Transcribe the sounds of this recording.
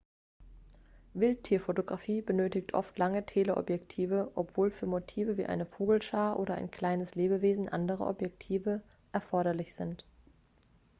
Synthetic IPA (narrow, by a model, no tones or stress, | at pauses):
vɪlttʰːiːɐfotoɡʁafiːbənøːtɪçtʔɔ̰ftʰlaŋətʰeːləʔɔ̰pjɛktʰiːvəʔɔpv̥oːlfyːɐmotʰiːvəviːʔa̰ɪnəfoːɡl̩ʃaːɐʔoːɾɐʔa̰ɪnkʰl̥aɪnəsleːbəveːzn̩ʔandəʁə̰ʔɔ̰pjɛktʰiːvə | ʔɛɐfɔɐɾɐlɪçz̥ɪnt